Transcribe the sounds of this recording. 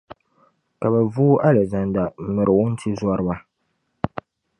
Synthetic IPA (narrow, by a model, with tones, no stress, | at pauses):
ka˨bɛ˨vuː˦ʔa˦lɛ˨za˨nda˨m̩˨mɨ˨ɾɨ˨wʊ˦n̩˦tʰi˦za˦ɾɨ˦ba˦